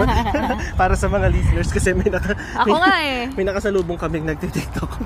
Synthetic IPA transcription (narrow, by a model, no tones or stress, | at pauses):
paːɾɐsɐmɐŋalisnɛɹskɐsɛmɐjnɐka | ɐmɐjoŋaʔɛmɐjnɐkɐsɐluːboŋkɐmɪŋnɐɡ̚t̪ɪt̪iɡ̚t̪ok